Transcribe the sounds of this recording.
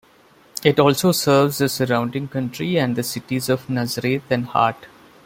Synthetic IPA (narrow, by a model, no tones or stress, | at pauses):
ɪʈɔːlsoːsəɾʋzd̪əsəɾãʊ̃ɳɖɪ̃ŋkʌ̃ɳʈɾiɛ̃ɳɖd̪əsɪʈizɔʋnæzəɾeːt̪ʰɛ̃ɳɖha̰ːɾʈ